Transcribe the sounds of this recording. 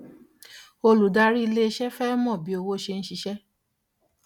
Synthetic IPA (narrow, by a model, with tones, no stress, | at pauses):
o˧lu˨da˧ɾi˦˧le˦e˧ʃɛ˦fɛ˦mɔ̃˦˨bi˨˦o˧wo˦ʃe˧n̩˦ʃi˧ʃɛ˦